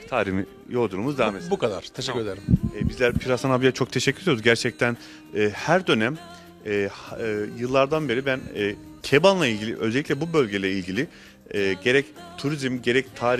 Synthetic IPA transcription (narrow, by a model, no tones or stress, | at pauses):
t̪ʰaːɾimi | jo̞lˠd̪uɾumuzd̪aamebukad̪a̰ɾ̥t̪ʰeʃɛkʲːyɾed̪eɾɛbizlʲæɾpʰiɾasanabijat͡ʃʰo̞k̚t̪ʰe̞ʃɛcʰːyɾejod̪ɟæɾt͡ʃʰɛc̚t̪ʰæn | ɛːhæɾd̪ø̞næm | ɛːjɯlˠːaɾd̪anbe̞ɾibænɛː | cʰebanlˠailʲɟilʲḭʔø̞zɛlʲːiclʲɛbubø̞lʲɟelʲɛilʲɡɟilʲɪ | ɛːɟe̞ɾɛct̪ʰuɾizimɟe̞ɾɛct̪ʰaːɾi